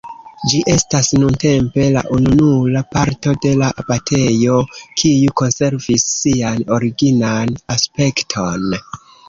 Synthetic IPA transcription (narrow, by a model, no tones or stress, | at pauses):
d͡ʒiʔe̞stasnunte̞mpe̞la̰ʔununulapaɾto̞de̞labatʰe̞jo̞kʰijuko̞nse̞ɾvisːiano̞ɾiɡinanaspe̞ktʰo̞n